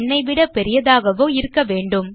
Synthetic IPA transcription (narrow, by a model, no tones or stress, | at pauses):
nːɐɪʋɪɽɐpɛɾɪjɐðaːɣɐʋoːɪɾɯkːɐʋeːɳɖɯm